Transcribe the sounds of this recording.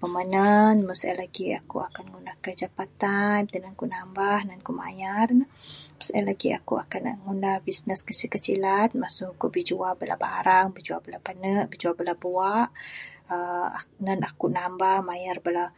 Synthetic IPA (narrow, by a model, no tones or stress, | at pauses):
pəmənanməsa̰laɡia̰kṵakanŋunahkəd͡ʒapat̪ant̪ənankuʔnambahnankuʔma̰jarnəməsalaɡia̰kuʔakanaŋundahbisnəskət͡ʃikət͡ʃilat̪̚masukuʔbid͡ʒuabəla̰ba̰ɾaŋbid͡ʒuabəlapənəʔbid͡ʒuabəlabuaʔəa̰nənakuʔnambahmajarbəla